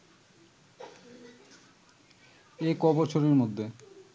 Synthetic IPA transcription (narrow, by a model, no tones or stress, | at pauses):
ekɔbɔt͡ɕʰoɾeɾmod̪ʱːe